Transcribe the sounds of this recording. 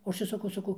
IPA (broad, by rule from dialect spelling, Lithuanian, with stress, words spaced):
oː ˈɐʃ ɪr sɐˈkɐʊ sɐˈkɐʊ